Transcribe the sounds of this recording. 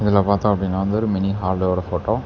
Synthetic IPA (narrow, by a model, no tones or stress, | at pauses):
ɪðɪlːaːpaːɾt̪ãːɐpːɐɽinːaːʋɐnd̪ɐɔɾɯmɛniɦaːlɖoːɽɐfoːʈːoː